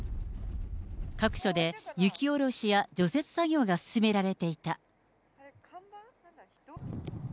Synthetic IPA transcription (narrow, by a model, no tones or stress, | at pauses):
kakɯ̟̥ɕo̞d̪e̞jɯ̟kʲio̞ɾo̞ɕijad͡ʑo̞se̞t͡sɨ̥saɡʲo̞ːɡasɨ̥sɨme̞ɾaɾe̞t̪e̞it̪a